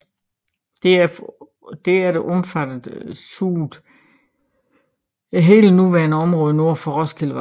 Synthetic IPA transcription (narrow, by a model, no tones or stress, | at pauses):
d̥e | d̥e̝æɐɾ̥eʔɔ̽mfæd̥ð̩ˠsud̥ | ɦe̝̰ːlənuʋæɐnəɒ̽mʁɔ̽ːð̞ˠəno̝ɐ̰fɒ̽ʁɒ̽skʰeləʋɑ